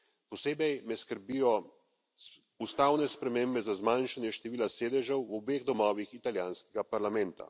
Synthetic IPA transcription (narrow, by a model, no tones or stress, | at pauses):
pɔseːbɛjmɛskəɾbijɔ | ust̪aːwnɛspɾɛmembɛzazmanʃanjɛʃt̪ɛʋiːlaseːd̪ɛʒɛwɔbeːɣd̪ɔmɔːʋixit̪aljaːnskɛɡapaɾlamɛnt̪a̰